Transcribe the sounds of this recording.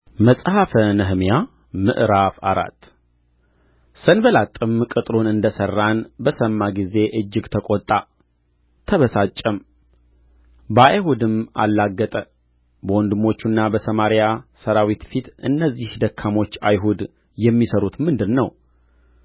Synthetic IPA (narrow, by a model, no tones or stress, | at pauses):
məsʼhafənəɦmja | mɨ̰ʔɾafa̰ɾa̰t̪ː | sənbəlat̪ʼːɨmkʼɨt̪ʼɾonɨnd̪əsərːanbəsəmːaɡize̞ʔɨd͡ʒːɪɡt̪ʰəkʼot̪ʼːa | t̪ʰəβəsat͡ʃʼːəm | bəajhud̪ɨma̰lːaɡːət̪ʼə | bəwɔnd̪ɨmo̞t͡ʃːunːabəsəmaɾjasəɾawit̪fit̪ɨ̰nːəzːihd̪əkʰːamo̞t͡ʃːa̰jɦud̪ | jɛmːisəɾut̪mɨnd̪ɨnːəw